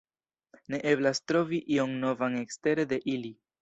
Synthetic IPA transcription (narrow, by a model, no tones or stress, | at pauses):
ne̞ʔe̞blastɾo̞viʔio̞ŋno̞vaŋe̞kste̞ɾe̞de̞ʔili